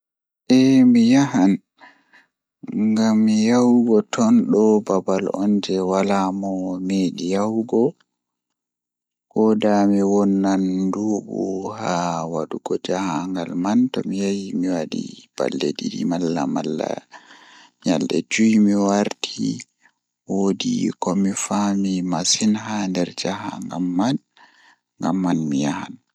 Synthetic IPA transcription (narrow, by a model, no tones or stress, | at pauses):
ʔɛmijaɦan | ŋɡamːijawɡɔtʰɔnɗɔbabalɔnd͡ʒɛwalamɔmeɗijawɡɔ | kɔdamiwɔnːanduːbuhawaɗuɡɔd͡ʒahaŋɡalmantɔmijajimiwadḭb̥a̰lːediɗimalːamalːa̰ | ɲalɗɛd͡ʒujmiwaɾtʰi | wodḭkɔmifamimasinɦandɛɾd͡ʒaɦa̰ŋɡamːan | ŋɡamːanmijahan